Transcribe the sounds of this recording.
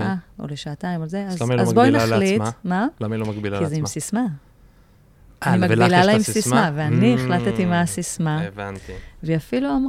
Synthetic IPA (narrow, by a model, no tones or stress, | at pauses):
ao̰leʃaːtaimolzeazazbojnaχlit̪malamilomaɡbilakizeimmsisma | nimaɡbilalaimsismaveanieχlat̪et̪imasismavant̪iveafiluam